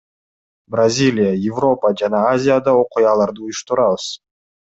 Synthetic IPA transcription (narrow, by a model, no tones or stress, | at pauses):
brazʲilʲɪjəjɪvro̞pəd͡ʒanɑazʲɪjad̪ɑo̞qujɑlˠɑɾd̪ɯujʊʃt̪uɾɑβɯz